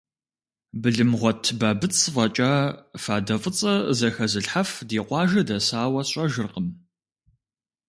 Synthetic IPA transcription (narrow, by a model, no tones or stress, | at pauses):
bɨɮɨmʁʷɔtʰbaːbɨt͡sʼʰvɐt͡ʃʼaːfaːdɐfʼɨt͡sʼɐzɐxɐzɨɬħafdiːqʷɑːʒɐdɐsaːwɐɕʼɐʒɨrqəm